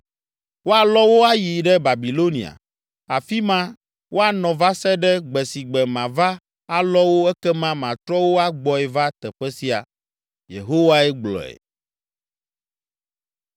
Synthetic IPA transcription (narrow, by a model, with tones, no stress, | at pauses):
wo˦a˨lɔ˦wo˦a˦ji˨ɖɛ˦ba˨bi˨lo˦nḭ̃˨a̰˨ | a˨fi˦mã˦ | wʔo˦a˨nɔ̃˨va˦sɛ˦ɖɛ˦ɡ͡bɛ˨si˨ɡ͡bɛ˨mã˨va˦ | a˦lɔ˦wo˦ɛ˦kɛ˦mã˦mã˨t̪ɾɔ˦wo˦a˦ɡ͡bɔ˨ɛ˨va˦t̪ɛ˨ɸɛ˦si˦a̰˨ | jḛ˨ɦo˦wa˦ɛ˦ɡ͡blɔ̰˨ɛ̰˨